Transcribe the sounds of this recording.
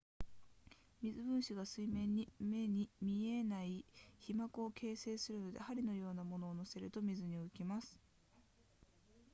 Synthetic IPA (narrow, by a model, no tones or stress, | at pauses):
mʲizɨbɯ̟̃ɰ̃ɕiɡasɨimẽ̞ɲ̟ːime̞ɲ̟imʲie̞naiçimakɯoke̞ːse̞ːsɨɾɯ̟no̞d̪e̞haɾʲino̞jo̞ːnamo̞no̞ːno̞se̞ɾɯ̟t̪o̞mʲizɨɲ̟iɯ̟kʲimasɨ̥